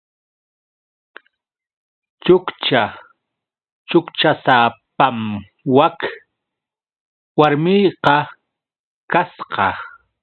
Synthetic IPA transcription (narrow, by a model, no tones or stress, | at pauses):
t͡ʃʊkt͡ʃa | t͡ʃʊkt͡ʃasapam | wak | waɾmɪjqɑ | kasqɑ